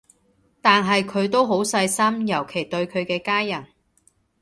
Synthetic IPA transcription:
t̪aː˨nɦɐ˨jkʰɵ˨˧ɥt̪o˥wɦo˨˥wsɐ˧jsɐ˥mjɐ˨˩wkʰe˨˩jt̪ɵ˧ɥkʰɵ˨˧ɥkɛː˧kaː˥jjɐ˨˩n

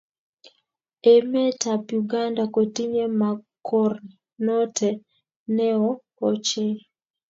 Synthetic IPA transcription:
e˨mɛ˦ta˨pju˨ɡa˦nda˨ko˨ti˦ɲe˦ma˨kʰɔ˦r | nɔ˦tʰɛ˨ | nɛ˦ɔ˦ | ɔ˨t͡ʃe˦

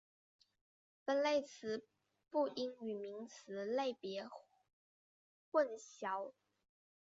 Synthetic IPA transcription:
pə˨˥nle˥˩ɪt͡sʰɹ̩˧˥˦ | pu˥˩ʔi˥ŋy˨˩mi˧˥ŋt͡sʰɹ̩˧˥˦le˥˩ɪpjɛ˧˥ | xwə˥˩nɕjɑ˧˥˦ʊ

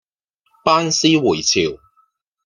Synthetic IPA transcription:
paː˥nsiː˥wuː˨˩jt͡sʰiː˨˩w

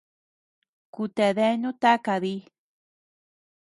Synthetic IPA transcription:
ku˨t̪e˨ðe˦nũ˦t̪a˦ka˨ði˦

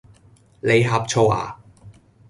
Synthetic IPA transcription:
le˨˧jɦaː˨˧p̚t͡ʃʰo˧wa̰ː˨˩

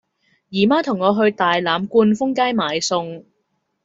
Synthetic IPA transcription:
jiː˨˩maː˥t̪ʰʊ˨˩ŋːɔː˨˧ɦɵ˧ɥt̪aː˨˩jlaː˨˧mkuː˧nfʊ˥ŋkaː˥jmaː˨˧jsʊ˧ŋ

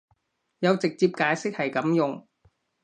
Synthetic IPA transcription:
jɐ˨˧wt͡sɪ˨k̚t͡siː˧p̚kaː˨˥jsɪ˥k̚hɐ˨jkɐ˨˥mjʊ˨ŋ

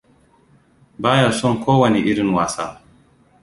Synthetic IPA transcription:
baː˦ja˨sɔ˦ŋkʷʰoː˦wɐ˨ne˨ʔɪ˦ɾɪ˦nwaː˨sa̰ː˦

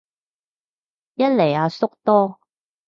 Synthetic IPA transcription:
jɐ˥t̚le˨˩jaː˨˧sʊ˥k̚t̪ɔː˥

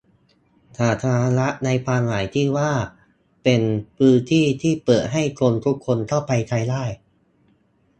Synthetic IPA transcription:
t̪ʰaː˨˩t̪ʰa˧a˧la˦˥ʔna˧jpʰaː˧nlaː˩˦jt̪ʰiː˥˩waː˥˩ | pe˧npʰɯː˦˥nt̪ʰiː˥˩t̪ʰiː˥˩pɤː˨˩t̪̚ɦa˥˩jkʰo˧nt̪ʰu˦˥kʰːo˧nt̪ʰa˥˩wpa˧jt̪ʰa˧jdaː˥˩j

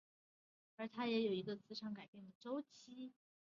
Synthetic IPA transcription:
ə˞˧˥t̪ʰa˥jɛ˧˥jo˨˩ʊi˧˥ɡə˧t͡sɹ̩˧˥ʂʰɑ˧˥ŋka˨˩ɪpjɛ˥˩nd̪ə˩ʈ͡ʂo˥ʊt͡ɕʰi˥

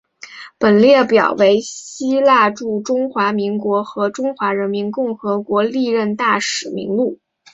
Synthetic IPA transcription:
pə˨˩nljɛ˥˩pjɑ˨˩ʊwe˧˥ɪɕi˥la˥˧ʈ͡ʂu˥˩ʈ͡ʂʊ˥ŋxwa˧˥mi˧˥ŋkwɔ˧˥xɤ˧˥ʈ͡ʂʊ˥ŋxwa˧˥ɻə˧˥nmi˧˥nkʊ˥˩ŋxɤ˧˥kwɔ˧˥li˥˧ɻə˥˧nt̪a˥˩ʂɻ̩˨˩mḭ˧˥ŋlu˥˩

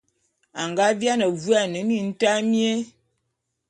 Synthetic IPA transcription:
a˨ŋɡa˦vja˦nə˨vu˦a˨nə˨˦ni˨n̩˦ta˦mje˦

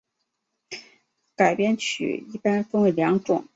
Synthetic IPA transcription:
ka˨˩ɪpjɛ˥nt͡ɕʰy̰˨˩i˥˩pa˥nfɤ˥ŋwe˧˥˩ɪljɑ˧˥ŋʈ͡ʂʊ˨˩˦ŋ

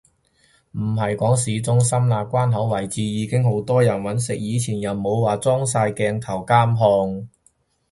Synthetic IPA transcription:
m̩˨˩ɦɐ˨jkɔː˨˥ŋsiː˨˧t͡sʊ˥ŋsɐ˥mlaː˨kʷaː˥nɦɐ˨˥wwɐ˨˩jt͡siː˨˧jiː˨˧kɪ˥ŋho˨˥wt̪ɔː˥jɐ˨˩nwɐ˨˥nsɪ˨k̚jiː˨˧t͡sʰiː˨˩njɐ˨˩nmo˨˧wwaː˨t͡sɔː˥ŋsaː˧jkɛː˧ŋt̪ʰɐ˨˩wkaː˥mɦɔː˧ŋ

